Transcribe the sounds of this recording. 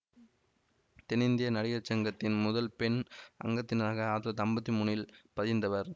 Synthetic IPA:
t̪ɛnɪnd̪ɪjɐnɐɽɪɣɐɾt͡ʃːɐŋɡɐt̪ːɪnmʊðɐlpɛɳʔɐ̰ŋɡɐt̪ːɪnaːɣɐaːʈ̪lɐt̪ɐmbɐt̪ːimuːɳɪlpɐðɪnd̪ɐʋɐɾ

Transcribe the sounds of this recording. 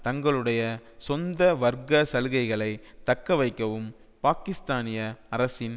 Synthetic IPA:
t̪ɐŋɡɐɭɯɽɐjɐsɔnd̪ɐʋɐɾɡɐsɐlɣɐɪɣɐɭɐɪt̪ɐkːɐʋɐɪkːɐʋɯm | paːkɪst̪aːnɪjɐɐɾɐsɪn

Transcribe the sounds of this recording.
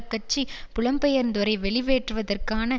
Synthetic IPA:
kːɐt͡ʃːipʊɭɐmpɛjɐɾnd̪ɔɾɐɪʋɛɭɪʋeːʈrɯʋɐðɐrkaːnɐ

